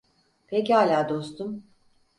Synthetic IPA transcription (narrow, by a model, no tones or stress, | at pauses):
pʰecihaːlʲaːd̪o̞st̪ʰum